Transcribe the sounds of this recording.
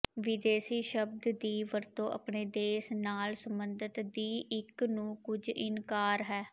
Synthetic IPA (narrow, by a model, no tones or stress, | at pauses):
ʋɪd̪eːsiːʃəb̚d̪d̪iːʋəɾt̪õːʔə̰pɳeːd̪eːsnaːlsəmbənd̪ət̪d̪iːɪknũːkʊd͡ʒɪ̰nkaːɾɦɛː